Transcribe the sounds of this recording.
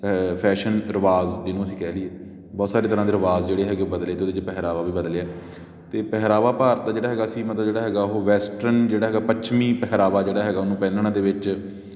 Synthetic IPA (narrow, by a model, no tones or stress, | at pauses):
pʰɛːʃənɾəʋaːzd͡ʒɪnũːəsĩːkɛːlieː | bɔːt̪saːɾeːt̪əɾãːd̪eːɾəʋaːzd͡ʒeːɽeːɦɛːɡeobəd̪leːt̪eod̪ed͡ʒeːpɛɦɾaːʋaːʋiːbəd̪leaː | t̪eːpɛɦɾaːʋaːpaːɾət̪̚d̪aːd͡ʒeːɽaːɦɛːɡaːəsĩːmət̪ləbd͡ʒeːɽaːɦɛːɡaːʊɦoːʋɛːsʈɾənd͡ʒeːɽaːɦɛːɡaːpət͡ʃʰmĩːpɛɦɾaːʋaːd͡ʒeːɽaːɦɛːɡaːʊnũːpɛ̃ːnd̪ɳãːd̪eːʋɪt͡ʃ